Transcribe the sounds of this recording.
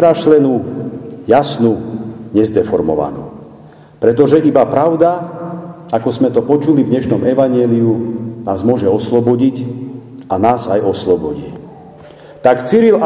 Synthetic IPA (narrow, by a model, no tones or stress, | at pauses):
ɾaʃlɛnu | jasnuɲɛzd̪ɛfɔɾmɔ̰ʋa̰nṵː | pɾɛt̪ɔʒɛʔibapɾaʊd̪a | akɔzmɛt̪ɔpɔt͡ʃulivd̪ɲɛʃnɔmɛʋaɲɪɛːliunaːzmʊɔʒɛɔslɔbɔɟic | anaːzajɔslɔbɔɟi | t̪akt͡siɾil